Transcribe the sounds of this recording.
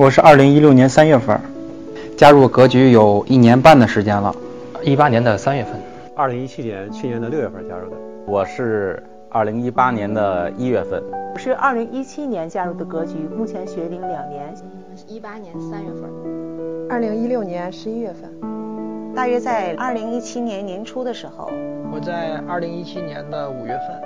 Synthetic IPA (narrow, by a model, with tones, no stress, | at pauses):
wɔ˨˩ʂɻ̩˥˧ʔɐ˞˥˩li˧˥ŋi˥ljo˥˩ʊnjɛ˧˥nsa˥nɥɛ˥˧˩fə̰˥˩ | t͡ɕja˥ɻu˥˩kɤ˧˥t͡ɕy˧˥jo˨˩ʊi˥˩njɛ˧˥npa˥˩nd̪ə˩ʂɻ̩˧˥t͡ɕjɛ˥nlə̰˨ | i˥pa˥njɛ˧˥nd̪ə˧sa˥nɥɛ˥˧fə˥˩n | ɐ˥˩li˧˥ŋi˥t͡ɕʰi˥njɛ˧˥nt͡ɕʰi˥˩njɛ˧˥nd̪ə˧ljo˥˧ʊɥɛ˥˩fə˥˧t͡ɕja̰˥ɻu˥˩d̪ə˩ | wɔ˨˩ʂɻ̩˥˩ | ɐ˥˩li˧˥ŋi˥pa˥njɛ˧˥nd̪ə˧i˥ɥɛ˥˧fə̰˥˩nwʂɻ̩˥˧ʔɐ̰˞˥˩li˧˥ŋʔi˥t͡ɕʰi˥njɛ˧˥nt͡ɕja˥ɻu˥˩d̪ə˩kɤ˧˥t͡ɕy˧˥mu˥˩t͡ɕʰjɛ˧˥nɕɥɛ˧˥li˧˥ŋljɑ˨˩ŋnjɛ˧˥n | i˥pa˥njɛ˧˥nə˧sa˥nɥɛ˥˧fə̰˥˩ | ɐ˥˩li˧˥ŋi˥ljo˥˩ʊnjɛ˧˥nʂɻ̩˧˥i˥ɥɛ˥˧fə˥˩n˧t̪a˥˩ɥɛ˥t͡sa˥˧ɪʔɐ˞˥˩li˧˥ŋi˥t͡ɕʰi˥njɛ˧˥nnjɛ˧˥nʈ͡ʂʰu˥d̪ə˨ʂɻ̩˧˥xo̰˧ʊwɔ˨˩t͡sa˥˧ɪɐ˞˥˩li˧˥ŋi˥t͡ɕʰi˥njɛ˧˥nd̪ə˧u˨˩ɥɛ˥˧fə˥˩n